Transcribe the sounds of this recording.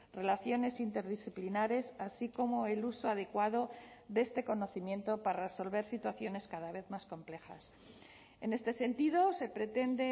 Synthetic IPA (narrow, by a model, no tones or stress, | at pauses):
re̞laθjo̞ne̞sint̪e̞ɾðisθiplinaɾe̞sasiko̞mo̞e̞luso̞aðe̞kwað̞o̞ðe̞st̪e̞ko̞no̞θimje̞nt̪o̞pareso̞lβe̞ɾsit̪waθjo̞ne̞skaðaβ̞e̞θmasko̞mple̞xa̰s | e̞ne̞st̪e̞se̞nt̪iðo̞se̞pɾe̞t̪e̞nd̪e̞